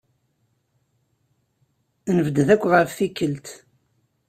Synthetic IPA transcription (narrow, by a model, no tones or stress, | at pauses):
nəvəd̪ðækʷːʁəfθikːəlt̪